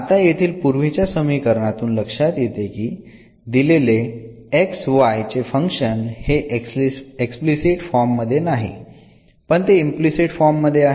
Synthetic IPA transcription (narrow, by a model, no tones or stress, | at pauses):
at̪ajet̪ʰiːlpuɾʋit͡ɕjasəmikəɾɳat̪uːnləkʂat̪jet̪ekiː | d̪ilele | eksʋajt͡ɕefəŋkʂənheʔeeksplisiʈfɔɾmːəd̪ʱːjenaɦḭ | pəɳt̪eimplisiʈfɔɾmːəd̪ʱːjeaɦ